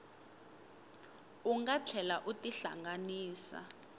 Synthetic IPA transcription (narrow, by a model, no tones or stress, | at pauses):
uŋɡat͡ɬʰɛlaʔutʼiɬa̰ŋɡaniːsa̰